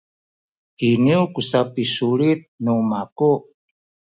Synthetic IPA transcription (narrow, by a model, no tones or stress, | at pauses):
iniukusapisulit̪̚numaku